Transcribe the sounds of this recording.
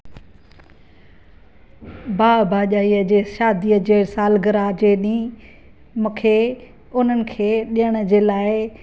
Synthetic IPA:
baːbʱaːʄaːiːəd͡ʑeːʃaːd̪iəd͡ʑeːsaːlɡəɾad͡ʑeːɗĩː | mʊːkʰeː | ʊn̤ənɪ̆kʰeːɗijəɽ̃əd͡ʑeːlaːɪ

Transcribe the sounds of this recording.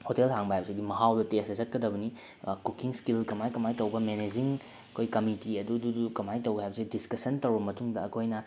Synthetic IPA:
hotelhaŋbɐhajbɐsidimɐɦawdɐtesɐzɐt̚kɐdɐbɐni | kukiŋskilkɐmajkɐmajtɐwbɐmened͡ʒiŋ | kʰojkɐmitiɐdududukɐmajtɐwɡɐhajbɐsidiskɐsɐntɐwbɐmɐtuŋdɐɐkʰojnɐ

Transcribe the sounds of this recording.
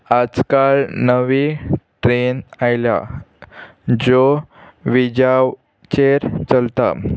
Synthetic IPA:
ad͡zkaɭnəʋit̪ɾenajla̰ | d͡ʑoʋid͡ʑaʋ | t͡ɕeɾt͡səlt̪a̰

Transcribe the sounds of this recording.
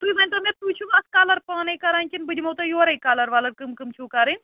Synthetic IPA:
t̪uiʋɐnʲt̪ɐmet̪uːt͡ʃʰuʋaːskaːlɐɾpaːnɐjkɐɾaːnʲkʲinbɨd͡ʒʲmɐwt̪ɐjoːɾɐjkaːlɐɾʋaːlɐɾkɨmkɨmt͡ʃʰuːkaːɾɨn

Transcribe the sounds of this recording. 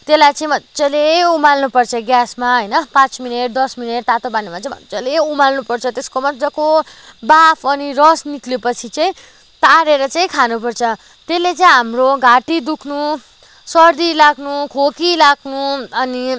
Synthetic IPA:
t̪elajt͡sʌĩmʌt͡sʌleumalnupʌrt͡sʰʌɡjasmaɦʌjnʌpãt͡smineʈ̚d̪ʌsmineʈ̚t̪at̪obanimat͡saĩmʌ̰t͡sʌleumalnupʌrt͡sʰʌt̪eskomʌd͡zʌkobapʰʌnirʌsniklepʌt͡sʰit͡sʌĩ | t̪aɾeɾʌt͡sʌĩkʰanup̬ʌrt͡sʰʌ | t̪elːet͡saĩɦamroɡaʈid̪ukʰnu | sʌrd̪ilaɡnukʰokilaɡnuʌni

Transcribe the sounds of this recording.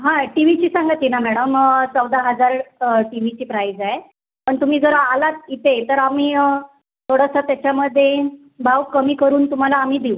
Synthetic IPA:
ɦãʈiʋit͡ɕiːsãŋɡət̪inamɛɽəmt͡səwd̪aɦəd͡zaɾʈiʋ̤it͡ɕiːpɾajd͡zaje | pəɳt̪um̤iːd͡zəɾəalat̪it̪et̪əɾamiː | t̪ʰoɽəsat̪jat͡ɕjaməd̪ʱːje | bʱawkəmiːkəɾuːnt̪um̤alaːm̤iːd̪iw

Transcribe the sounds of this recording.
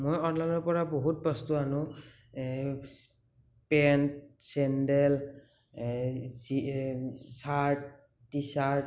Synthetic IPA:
mojɔɹlanɔɹpɔɹaboɦut̚bɔstuanʊ̃ | s | pɛntsɛndɛl | zi | saɹt̚ː | isa

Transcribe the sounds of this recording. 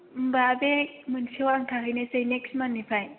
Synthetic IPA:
mbabemɯnsiwaŋtʰaɦɯjnesejneksmanːipʰaj

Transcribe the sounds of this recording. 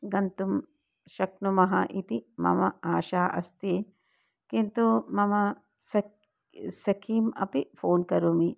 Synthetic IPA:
ɡɐnt̪um | ʃɐknumɐɦɐʔit̪imɐ̰mɐaːʃaːʔɐ̰st̪eː | kint̪umɐmɐ | sɐ | sɐkʰiːmɐ̰pifʰoːnkɐɾumi

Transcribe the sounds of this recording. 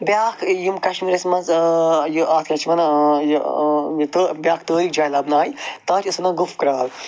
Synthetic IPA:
bʲjaːkʰjumkɐʃmiːɾɐsmɐnzjuʔaːt̪ʰkʲɐt͡ʃʰimɐnɐjjt̪oːbʲjaːkʰt̪əːɾikd͡ʒaːjlɐbnaːjit̪aːɾʰʲɐsɐnɐɡufkɾaːl

